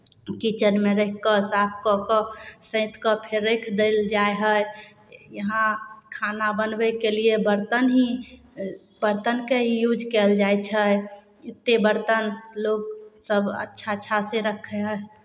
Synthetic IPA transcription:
kit͡ʃənmeɾekʰːəsap̚ʰkɔkɔsə̃ɪ̃t̪ʰkɔpʰeɾːekʰd̪eld͡ʒaeɦəj | jəɦãkʰanabənbɛkeliebəɾt̪ənɦĩ | bəɾt̪ənkeɦijud͡ʒkɛld͡ʒajt͡ʃʰə | ɪt̪ːebəɾt̪ənloɡsəbə̰tːʃʰatːʃʰaseɾəkʰːeɦəe

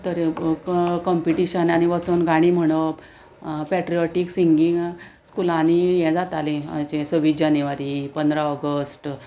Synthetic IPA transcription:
t̪əɾ | kɔmpiʈiɕənaniʋasuːnɡaɽ̃im̤əɽ̃o | pɛʈɾiɔʈiksiŋɡiŋɡ | skulãnijɛd͡zat̪alit͡ɕesəʋid͡ʑanjuʋaɾipənd̪ɾaɔɡəsʈ

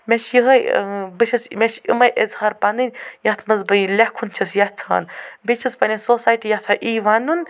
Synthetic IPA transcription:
mʲeʃjiɦɐbɨt͡ʃʰɐsmʲeʃḭmɐjʔəzhaːɾpɐnɨnʲjɐt̪ʰmɐzbɐjlʲɐhkʰunt͡ʃʰɐsjɐt̪t͡sʰa̰ːnbet͡ʃʰɐspɐnʲɐsoːsaːjʈijɐht̪ʰɐʔiːʋanun

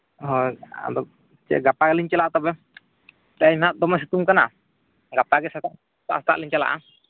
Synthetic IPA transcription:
ɦɔa̰d̪ɔ | t͡ʃɛ̰ɡapaɡɛliɲt͡ʃɛlaʔt̪abɛ | t̪amad̪ɔmas̬it̪umkana | ɡapaɡɛsaaʔ | t̪a̰ʔsat̪a̰ʔliɲt͡ʃɛla̰ʔa

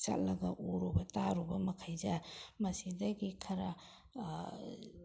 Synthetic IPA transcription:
t͡ʃa̰t̚lɐɡɐ̰ʔuɾubɐtaɾubɐmɐkʰajzamɐsidɐɡikʰɐɾa

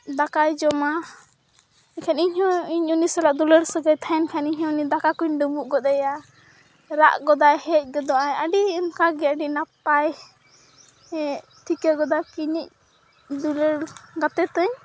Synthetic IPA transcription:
d̪akajd͡ʒɔma | ɛkʰɛniɲɦɔ̃iɲunisɛlaʔd̪uləɽsəɡəjt̪ʰaɛnkʰaniɲɦɔ̃nid̪akakuɲɖubuʔɡɔd̪aja | ɾa̰ʔɡɔd̪ajhɛc̚ˀɡɔd̪ɔajəɖiːnkaɡɛəɖinapaj | t̪ʰikəɡɔd̪akiɲic̚ | d̪uləɽɡat̪ɛt̪əɲ

